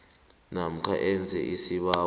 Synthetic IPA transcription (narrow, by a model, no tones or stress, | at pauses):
nam̩kʰaʔɛnd͡zʱɛ̰ʔisiɓaː